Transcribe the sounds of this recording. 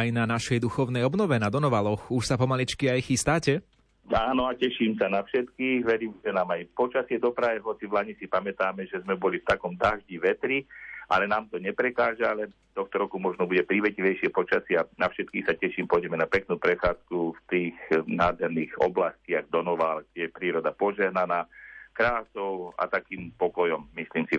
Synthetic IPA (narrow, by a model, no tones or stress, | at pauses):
jnanaʃɛjd̪uxɔʊnɛjɔbnɔʋɛnad̪ɔnɔʋalɔxuʃsapɔmalit͡ʃkiajxist̪aːcɛ | aːnɔacɛʃiːmsanafʃɛt̪kiːxʋɛɾiːmʒɛnaːmajpɔt͡ʃasɪɛd̪ɔpɾajɛɦɔt͡siʋlaɲisipamɛt̪aːmɛʒɛzmɛbɔlift̪akɔmt̪aʒɟiʋɛt̪ɾiʔa̰lɛnaːmt̪ɔɲɛpɾɛkaːʒaalɛ | t̪ɔxt̪ɔɾɔkumɔʒnɔbuɟɛpɾiʋɛciʋɛjʃɪɛpɔt͡ʃasɪanafʃɛt̪̚kiːxsacɛʃiːmpɔjɟɛmɛnapɛknuːpɾɛxaːt͡skuft̪iːɣnaːd̪ɦɛɾniːɣɔ̰blasciaɡ̚d̪ɔnɔʋaːlɡ̚ɟɛjɛpɾiːɾɔd̪apɔʒɛɦnanaːkɾaːsɔʊa̰t̪akiːmpɔkɔjɔmːisliːmsi